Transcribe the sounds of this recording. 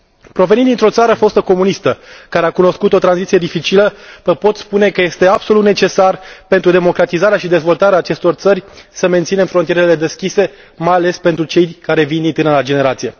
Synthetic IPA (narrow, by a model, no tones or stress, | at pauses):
pɾo̞ve̞nind̪int̪ɾo̞t̪saɾəfo̞st̪oko̞munist̪əkaɾe̞akuno̞skut̪o̞t̪ɾanzit̪sije̞d̪ifit͡ʃiləpəpo̞t̪spune̞kəje̞st̪e̞ab̥so̞lut̪net͡ʃe̞sarpe̞nt̪ɾud̪e̞mo̞kɾat̪izaɾeaʃid̪e̞zvo̞lt̪aɾeaːt͡ʃe̞st̪o̞rt̪sərʲsəme̞nt̪sine̞mfɾo̞nijeɾele̞d̪e̞skʲise̞ | majale̞spe̞nt̪ɾut͡ʃe̞jkaɾe̞vind̪int̪ɨnəlad͡ʒe̞ne̞ɾat̪sije̞